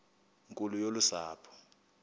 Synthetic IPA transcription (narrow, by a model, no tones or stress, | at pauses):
ŋkʼulujolusaːpʰɔ̥